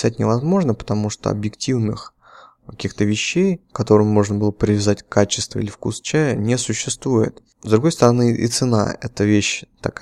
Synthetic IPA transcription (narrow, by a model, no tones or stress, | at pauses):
zat̚ʲnʲɪvɐzmo̞ʐnəpə̥t̪ɐmuʂt̪o̰ɐ̰bjɪktʲivnɨx | kɐkʲixt̪əvʲɪɕːejkɐt̪o̞ɾɨmmo̞ʐnəbɨlˠəpɾʲɪvʲɪzatʲkːat͡ɕɪ̥st̪və̰ḭlʲɪfkust͡ɕæjənʲesʊɕːɪst̪vujɪ̰t̪ | zd̪ɾʊɡo̞jst̪əɾɐnɨʔḭt̪sɨna̰ɛ̰t̪əvʲeɕt̪ɐk